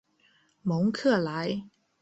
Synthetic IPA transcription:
mɔ˨˥ŋkʰɤ˥˩la˨˦ɪ

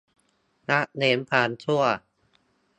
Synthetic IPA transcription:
na˦˥ʔneː˩˦mpʰaː˨˩nt͡ɕʰu˥˩ɐ

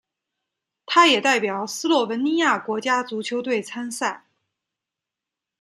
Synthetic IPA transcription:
t̪ʰa˥jɛ˨˩t̪a˥˩ɪpjɑ˨˩ʊsɹ̩˥lwɔ˥˩wə˧˥nni˥ja˥˩kwɔ˧˥t͡ɕja˥t͡su˧˥t͡ɕʰjo˧˥ʊt̪̬we˥˩ɪt͡sʰa˥nsa˥˩ɪ

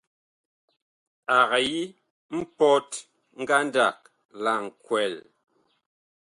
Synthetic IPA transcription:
a˨ɣa˨ji˦ | m̩˦pɔ˦t | ŋ̩˦ɡa˦n˦da˦˨k̚ | la˦˨ŋ̩˨kwɛ˨l

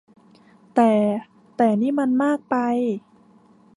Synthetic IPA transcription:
t̪ɛː˨˩ | t̪ɛː˨˩niː˥˩ma˧nmaː˥˩k̚pa˧j

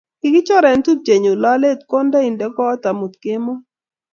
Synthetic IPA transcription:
kɪ˨˦ɡɪ˦t͡ʃɔ˦ɾɛ˨ntu˦k̚t͡ʃe˨ɲo˨la˦le˦˨tkɔ˦nda˦i˨ndɛ˦kɔː˦ta˨mu˨t̪kɪ˦mɔ˦

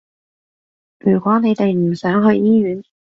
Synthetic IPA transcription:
jyː˨˩kʷwɔː˨˥ne˨˧jt̪e˨jm̩˨˩sœː˨˥ŋɦɵ˧ɥʔiː˥jyː˨˥n

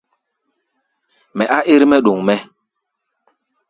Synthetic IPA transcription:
mɛ˨ʔa˦ʔe˦ɾmɛ˦ɗo˨ŋmɛ˦

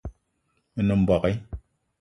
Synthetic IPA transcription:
nə˨m̩˨bɔ˨kɛ˦

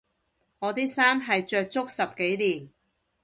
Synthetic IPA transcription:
ŋɔː˨˧t̪iː˥saː˥mɦɐ˨jt͡ʃœː˧k̚t͡sʊ˥k̚sɐ˨p̚ke˨˥jliː˨˩n

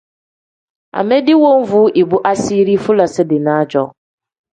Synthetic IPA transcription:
a̰˨me˦dɪ˦wo˦ɱ̩˦vu˨˦ʔi˨bu˦ʔa˦si˦ɾi˦fu˦la˨sɪ˦dɪ˨na˨˦d͡ʒɔ˨

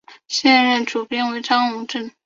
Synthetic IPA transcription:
ɕjɛ˥˧nɻə˥˩nʈ͡ʂu˨˩pjɛ˥˩nwe˧˥ɪʈ͡ʂɑ˥ŋu˧˥ŋʈ͡ʂə˥˩n

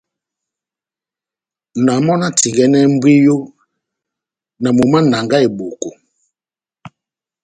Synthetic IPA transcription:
na˨mɔ˦na˦ti˨ɡɛ˦nɛ˦m˦bwi˦jo˦ | na˨mu˨ma˦na˨ŋɡa˦e˨bo˨ko˨

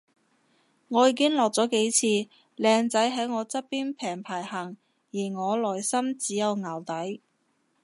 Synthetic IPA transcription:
ŋɔː˨˧jiː˨˧˥kɪ˥ŋlɔː˨k̚t͡sɔː˨˥ke˨˥jt͡sʰiː˧ | lɛː˧ŋt͡sɐ˨˥jɦɐ˨˥jŋɔː˨˧t͡sɐ˥t̚piː˥npʰɛː˨˩ŋpʰaː˨˩jhɐ˨˩ŋ | jiː˨˩ŋɔː˨˧lɔː˨˩jsɐ˥mt͡siː˨˥jɐ˨˧wŋaː˨˩wt̪ɐ˨˥j

